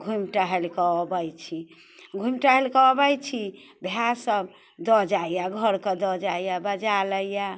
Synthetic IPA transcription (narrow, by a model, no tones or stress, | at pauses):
ɡʱumʈaɦelkɔɔbəjt͡ʃʰi | ɡʱumʈaɦelkɔɔbəjt͡ʃʰibʱjasəb | d̪ɔd͡ʒaijaɡʱəɾked̪ɔd͡ʒajjabəd͡ʒaləjja